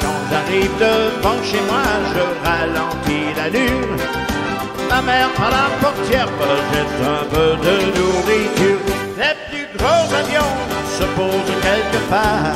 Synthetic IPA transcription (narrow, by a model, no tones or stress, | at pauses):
ʒaʁivd̪əpɑ̃ʃemwaʒəʁalɑ̃pilalyʁ | mamɛʁpaʁlapɔʁt̪jɛʁpət̪ɛt̪ə̃pød̪ənuʁit̪yːʁ | leplyɡʁõzavjɔ̃səpozkʲɛlkəpa